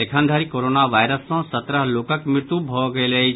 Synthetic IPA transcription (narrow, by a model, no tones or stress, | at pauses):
ekʰə̃nd̪ʱaːɾikoːɾoːnaʋaːɪɾəsːɔ̃sət̪ɾəɦloːkəkmɾɪɾt̪ubʱɔɡɐelɐi